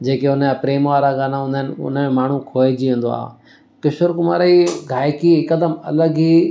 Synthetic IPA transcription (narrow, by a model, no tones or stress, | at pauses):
d͡ʑeːkeʊnəapɾeːmʋaːɾaɡaːnaɦũːnd̪aɦɪnɪʊ̰nəmaːɳ̤ũkʰoːed͡ʑiẽːnd̪oa̰ː | kɪʃʊɾkʊma̰ːɾiɡʱaːjkiɪkəd̪əmɐ̰ləɡi